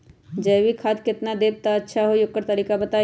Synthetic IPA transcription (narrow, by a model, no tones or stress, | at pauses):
d͡ʒəjʋikʰaːd̪kɪt̪nad̪eːb̚t̪aɐtːʃʰaɦojokːəɾt̪ɐɾiːkabət̪aː